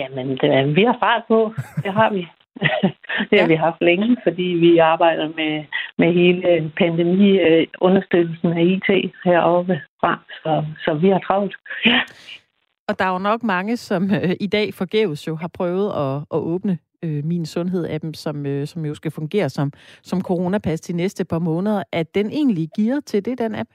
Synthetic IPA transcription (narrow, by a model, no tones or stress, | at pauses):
jæmənd̥ʋihɑ̈fɑ̰̈ːd̥̚pʰɔ̽d̥eɦɑ̈ʋi | d̥e̝æʋiɦɑ̈fd̥leŋəfɒ̽d̥ḭːʋiɑ̈ːb̥ɑ̈ɪ̰d̥ɐmemeɦe̝ːləpʰænd̥emḭːɔ̽nɐsd̥ød̥l̩sn̩æiːt͡sʰe̝̰ːheɐ̰ɒ̽b̥əfʁɑ̈sɒ̽sɒ̽ʋihɑ̈t͡sʰʁɑ̈ʊ̥j | ɒ̽d̥ɑ̈nɒ̽ɡ̥mɑ̈ŋəsɒ̽møʔid̥ɛ̰ːfɒ̽ɡ̥eːʊð̩ˠsjo̝ɦɑ̈pʰʁœːʊð̞̩ˠɒ̽ʔɒ̽ʔɔ̽ːb̥nə | øminsɔ̽nɦe̝ð̞̰ˠæd̥emsɒ̽møsɒ̽mjo̝sɡ̥æfɔ̽ŋɡ̥e̝̰ːɐsɒ̽msɒ̽mkʰo̝ʁo̝næpʰæsd̥inesd̥əpʰɑ̈mɔ̽ːnəð̞ˠɐʔæd̥ene̝̰ːnliɡ̥iːɐt͡sʰe̝d̥e̝d̥enæb̥